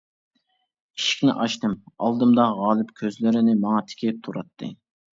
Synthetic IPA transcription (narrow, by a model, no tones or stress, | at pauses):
iʃi̥kʲnɪ̰ʔɑʃt̪ɨmɑ̰lˠd̪ɨmd̪ɑʁɑːlˠɨpkʲʰøzlɪɾɪnɪmɑŋɑt̪ʰɪ̥kʲɪp̚t̪ʰuɾɑt̪ʰːɨ̰